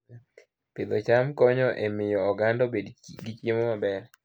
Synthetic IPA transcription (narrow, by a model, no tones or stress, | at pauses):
pɪd̪ɔt͡ʃamkɔɲɔʔemɪjɔːɡandɔbedɡit͡ʃjemɔmabɛr